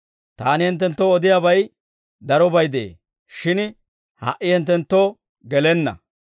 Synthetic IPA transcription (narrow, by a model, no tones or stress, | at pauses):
t̪aːnɪhɛnt̪̬ːɛnt̪ːoɔd̪ɪjaːbɐj | d̪ɐɾɔbɐjd̪eḛː | ʃɪn | hɐ̰ʔɪhɛnt̪ːɛnt̪ːoː | ɡɛlɛnːɐ̰